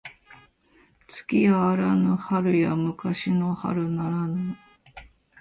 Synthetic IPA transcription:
t͡sɨ̥kʲiaːɾanohaɾɯ̟jamɯ̟kaɕinoha̰ɾɯ̟naɾano

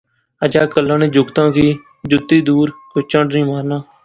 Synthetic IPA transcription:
əd͡ʒaːkəlːãːnẽːd͡ʒʊɡt̪ãːkiː | d͡ʒʊt̪ːiːd̪uːɾkʊt͡ʃə̃ɳɖnĩːmaːɾnaː

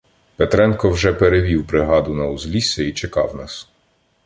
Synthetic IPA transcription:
pet̪ɾɛnkɔwʒɛpeɾeʋʲiwbɾɪɦɑd̪ʊnɐʊzlʲisʲɛit͡ʃekɑwnɑs

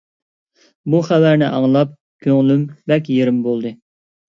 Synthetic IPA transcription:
buχævæɾnɪʔɑŋlˠɑp̚ | kʲʰøŋlymbɛkʲjeɾɪmbolˠd̪ɨ

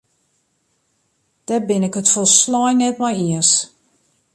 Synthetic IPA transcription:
d̥ɛbɪnɪkətfolˠslɔjnɛtmɔjiəs

